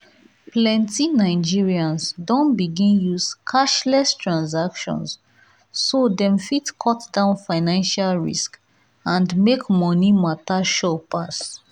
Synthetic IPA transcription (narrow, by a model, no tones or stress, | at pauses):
plɛ̃ntinaɪd͡ʒiɹiãnsdɔ̃nbiɡĩnjuskʰaʃlɛstʰɹãnsakʃɔ̰̃nsː | odɛ̃mfitkʰɔtdãʊ̃nfaɪnãnʃalɹḭsk | ãndmekmɔnimataʃɔpʰas